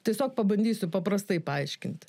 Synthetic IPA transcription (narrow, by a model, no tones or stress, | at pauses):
t̪ʲiɛsʲoːkpɐbɐnʲd̪ʲiːsʲʊpɐpɾɐst̪ɐɪpɐɐɪʃʲkʲɪnʲt̪ʲ